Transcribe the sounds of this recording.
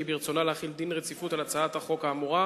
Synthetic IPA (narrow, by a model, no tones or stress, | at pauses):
ibiʁt͡sonaleaχild̪inʁet͡sifut̪alat͡saat̪aχo̞kaːmuʁa